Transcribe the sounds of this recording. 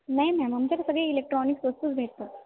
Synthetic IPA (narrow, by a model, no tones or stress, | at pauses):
naɦjnajməmt͡ɕeɾsəɡɭiilek̚ʈɾɔniksʋəst̪uːt͡sbʱeʈ̚t̪o